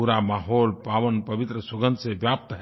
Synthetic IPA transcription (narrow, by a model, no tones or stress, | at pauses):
uɾamaɦolpaʋənpəbit̪ɾəsoɡənd̪sebjap̚t̪ɦɛ